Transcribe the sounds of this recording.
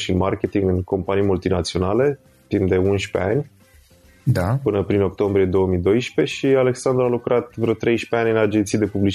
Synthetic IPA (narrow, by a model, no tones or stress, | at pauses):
ʃinmarkʲe̞t̪iŋɡɨnko̞mpanijmult̪inat̪sio̞nale̞ | t̪imd̪e̞unʃpe̞̰anʲ | d̪apɨnəpɾino̞k̚t̪o̞mbɾije̞d̪o̞wəmid̪o̞jʃpe̞ʃiale̞ksand̪ɾualukɾʔat̪vɾot̪ɾe̞jʃpe̞anʲɨnad͡ʒe̞nt̪sijad̪e̞publit͡ʃ